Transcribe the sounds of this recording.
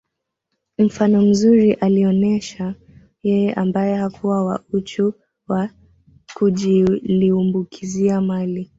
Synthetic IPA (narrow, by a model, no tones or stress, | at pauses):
m̩fanɔm̩zuɾiʔaliɔnɛʃa | jɛjɛʔambajɛhakʰuwawa̰ut͡ʃu | wa | kuʄiliumbukʰiziamali